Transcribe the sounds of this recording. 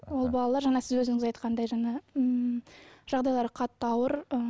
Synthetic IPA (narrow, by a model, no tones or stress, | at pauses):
wo̞lˠbɑlˠɑlˠɑɾʒɑɴɑsɪzwɵzɪŋɪzɑjt̪qʰɑnd̪ɑjʒɑɴɑ | ʒ̥ɑʁd̪ɑjlˠɑɾəqʰɑt̪ːəɑwəɾə